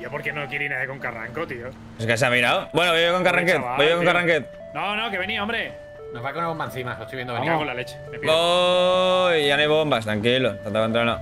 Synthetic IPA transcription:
ʝopoɾkenokjeɾinaðjekoŋkara̰ŋkot̪io | oskas̬eamiɾawbwenoβojjokoŋkaraŋket̪ojekoŋkaraŋket̪̚ | nonokeβeniaombɾe | noβakounaβombaenθimaost̪ojβjed̪oniolalet͡ʃemepio | ʝanoajβombast̪ɾaŋkilot̪ant̪aant̪uɾana

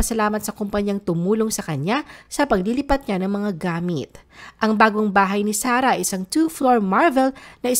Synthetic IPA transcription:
ɐsɐlaːmɐt̪sɐkompɐɲɐŋt̪ʊmuːlo̞ŋsɐkɐɲasɐpɐɡ̚lilipɐt̪̚ɲanɐŋmɐŋaɡaːmɪ̰t̪̚ʔɐŋbaːɡo̞ŋbaːɦɐjnɪsaːɾɐʔɐʔɪsaŋt̪ufloɹmaɹvɛlnɐʔɪ

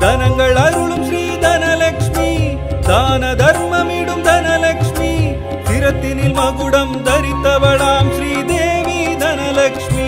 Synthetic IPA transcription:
d̪ʱɐnɐŋɡɐɭɐɾuɭumʃɾiːd̪ʱɐnɐlɐkʂmi | d̪aːnɐd̪ʱɐɾmɐmiːɽumd̪ʱɐnɐlɐkʂmi | siɾɐt̪ːinilmɐɡuɽɐmd̪ʱɐɾit̪ːɐʋɐɭaːmʃɾiːd̪eːʋid̪ʱɐnɐlɐkʂmi

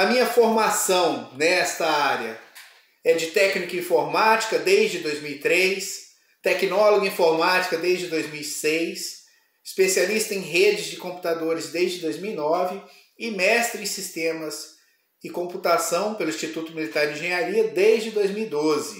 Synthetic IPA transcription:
ɐmĩɲɐfoɾmasɐ̃w̃nɛst̪ɐaɾjɐ | ɛd͡ʒɪt̪ɛknikɐĩfoɾmat͡ʃi̥kɐd̪ejzd͡ʒɪd̪ojzmiwit̪ɾejs | t̪ɛknɔloɡuĩfoɾmat͡ʃi̥kɐd̪ejzd͡ʒɪd̪ojzmiwisejs | ɪspesialist̪ɐẽj̃ɦed͡ʒɪzd͡ʒɪkõpu̥t̪ad̪oɾɪzd̪ejzd͡ʒɪd̪ojzmiwinɔvɪ | ɪmɛst̪ɾɪẽsist̪ẽmɐs | ɪkõmput̪asɐ̃w̃pelʊĩst͡ʃit̪ut̪ʊmilit̪aɾd͡ʒɪĩʒẽɲaɾiɐd̪ezd͡ʒɪd̪ojzmiwid̪ozɪ

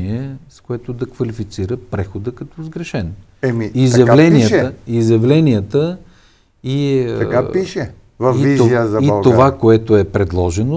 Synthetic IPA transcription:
iɛskoɛt̪od̪ɐkvɐlifit̪siɾəpɾɛxod̪əkɐt̪ɔzɡɾɛʃɛn | ɛmiizjɐvlɛniəəizjɐvlɛnijət̪ə | iɐkapiʃɛ | vɐfiizoiəzɐiovakoɛt̪oɛpɾɛd̪lˠɔʒɛno

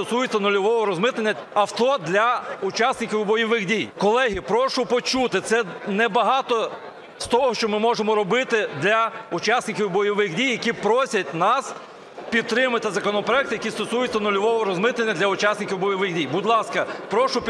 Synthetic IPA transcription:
ɔsujʊt͡sʲɐnɔlʲɔʋɔɦɔɾɔzmɪt̪lˠenʲːɐɐft̪ɔd̪lʲɐʊt͡ʃɑsʲnɪkʲiʋwbɔjɔʋɪxdʲijkɔlˠɛɦipɾɔʃʊpɔt͡ʃut̪ɪt̪sɛnɛbɐɦɑt̪ɔ | st̪ɔɦɔʃt͡ʃɔmɪmɔʒemɔɾɔbɪt̪ɪd̪lʲɐʊt͡ʃɑsʲnɪkʲiwbɔjɔʋɪxdʲijːɐkʲipɾɔsʲɐtʲnɑs | pʲid̪̚t̪ɾɪmɐt̪ɪzɐkɔnɔpɾɔɛk̚t̪ɪjɐkʲist̪ɔsujʊt͡sʲːɐnɔlʲɔʋɔɦɔɾɔzmɪt̪lˠenʲːɐd̪lʲɐʊt͡ʃasʲnɪkʲiwbɔjɔʋɪxdʲijbʊd̪ʲlˠɑskɐpɾɔʃʊp

